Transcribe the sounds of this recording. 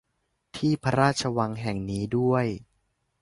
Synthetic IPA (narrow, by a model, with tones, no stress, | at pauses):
t̪ʰiː˥˩pʰa˧ɾaː˥˩t̪̚t͡ɕʰa˧wa˧ŋɦɛ˨˩ŋniː˦˥du˥˩əj